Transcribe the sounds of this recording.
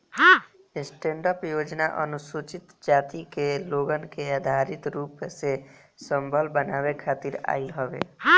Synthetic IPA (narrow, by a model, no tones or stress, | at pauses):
ɦã | sʈẽːɳɖəpjoːd͡ʒnaʔə̰nʊsut͡ʃɪt̪d͡ʒaːt̪ikeloːɡənkeaːd̪ʱaɾit̪ɾuːpse | səmbʱəlbənaːwekʰaːt̪iɾa̰ːilɦəʋḛɦã